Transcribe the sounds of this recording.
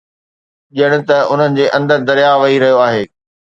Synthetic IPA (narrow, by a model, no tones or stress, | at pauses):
ʄijəɽ̃ʊ̆t̪ɐʊn̤ənɪ̆d͡ʑeːʔɐ̃nd̪əɾd̪ɐɾjaʋɐɦiɾɐɦijoaːɦeː